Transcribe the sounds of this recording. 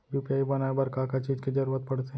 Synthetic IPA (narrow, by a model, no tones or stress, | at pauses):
bjupijaːibɐnaebɐɾkaːkat͡ʃiːd͡ʒkid͡ʒɐɾuːɾət̪̚pɐɽt̪eɦ